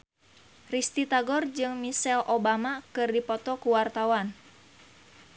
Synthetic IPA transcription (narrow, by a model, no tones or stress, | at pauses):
rist̪it̪aɡɔrd͡ʒɨŋmisɛlʔobamakɨrdipɔt̪ɔkuwart̪awan